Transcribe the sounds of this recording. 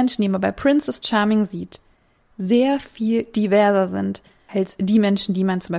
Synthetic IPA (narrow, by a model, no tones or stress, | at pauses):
ɛnʃn̩diːmanbaɪpʰʁ̥ɪnsɛst͡ʃaːɐmɪŋziːt | zeːɐfiːld̥ivɛɐzɐzɪnt | ʔalsd̥iːmɛnʃn̩diːmant͡sʊmbaɪ